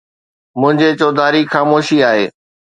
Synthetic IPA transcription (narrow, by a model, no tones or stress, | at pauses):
mʊ̃ɦɪ̃ɲd͡ʑet͡ɕoːd̪ʱaːɾixaːmoːʃiaːɦḛː